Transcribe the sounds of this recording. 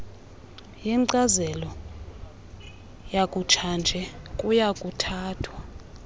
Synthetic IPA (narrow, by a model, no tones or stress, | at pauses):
jɛǀazɛlɔ | jakʼut͡ʃʰand͡ʒʱɛkʼujakʼutʰaːtʰwa